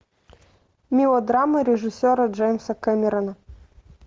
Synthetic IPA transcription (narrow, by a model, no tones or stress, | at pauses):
mʲilˠɔd̪ɾamɨɾʲɪʐɨsʲɔɾɐʐɛjmʲsɐkɛmʲɪɾɐnɐ